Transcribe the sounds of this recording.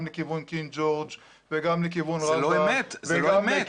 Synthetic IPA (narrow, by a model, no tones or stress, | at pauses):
mlekivunkind͡ʒoʁd͡ʒ | veɡamlek̬ivunʁaloeamezvelame